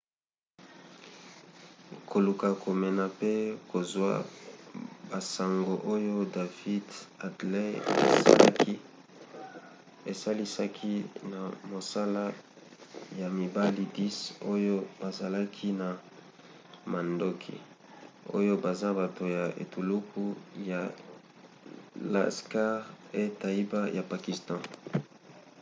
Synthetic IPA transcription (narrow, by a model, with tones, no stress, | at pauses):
ko˨lu˨ka˨kʰo˨mɛ˨na˨pe˦ko˨zwa̰˦ | ba˨sa˨ŋɡo˨ʔo˦jo˦da˨vi˦da˨dle˦ḛ˨˦ki˦ | e˨sa˦li˦sa˦kʰi˦na˨mo˨sa˦la˦ | ja˨mi˨ba˦li˦di˦so˦jo˦ba˨za˨la˦kʰi˦na˨ | ma˨ndo˦kʰḭ˨ | o̰˦jo˦ba˨za˦ba˨to˨ja˨ʔḛ˨tu˨lu˦kʰu˦ja˨ | la̰˨ska˦ʁe˦ta˨i˦ba˦ja˨pa˨ki˨stɑ̃˦